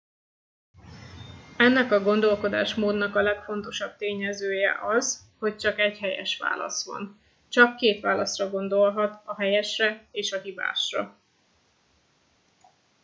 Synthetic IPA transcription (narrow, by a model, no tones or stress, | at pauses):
ɛnːɛkɒɡo̞nd̪o̞lko̞d̪a̰ːʃmoːd̪nɒkɒlɛkfo̞n̪t̪o̞ʃɒb̚t̪eːɲɛzøːjɛ̰ʔɒz | ho̞c̚t͡ʃɒkɛɟhɛjɛ̰ʃʋa̰ːlɒ̰sʋɒ̰n | t͡ʃɒkːeːt̪ʋaːlɒsrɒɡo̞nd̪o̞lɦɒt̪ɒɦɛjɛʃrɛeːʃɒɦiba̰ːʃrɒ̰